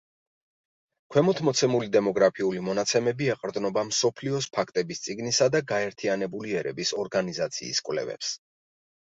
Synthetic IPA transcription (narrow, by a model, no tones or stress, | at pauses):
kʰwɛmɔt̪ʰmɔt̪sʰɛmulid̪ɛmɔɡɾapʰiulimɔnat̪sʰɛmɛbiɛqʼɾd̪nɔbamsɔpʰliɔspʰakʰt̪ʼɛbist̪sʼiɡnisad̪aɡaɛɾt̪ʰianɛbuliɛɾɛ̰bisɔɾɡanizat̪sʰḭːskʼwlɛ̰vɛ̰ps